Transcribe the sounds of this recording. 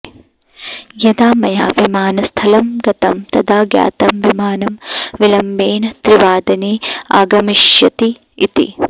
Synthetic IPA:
jɐd̪aːmɐjaːʋimaːnɐst̪ʰɐlɐmɡɐt̪ɐmt̪ɐd̪aːɡja̰ːt̪ɐmʋimaːnɐmʋilɐmːeːnɐt̪ɾiʋaːd̪ɐneːa̰ːɡɐmiʃjɐt̪i | it̪ḭ

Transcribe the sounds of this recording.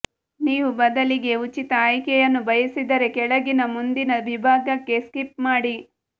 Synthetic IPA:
niːʋubɐd̪ɐliɡe̞ut͡ʃit̪ɐːjkɛjɐnːubʱɐjɐsid̪ɐɾe̞kɛɭɐɡinɐmund̪inɐʋibʱaːɡɐkːe̞skipmaːɽi

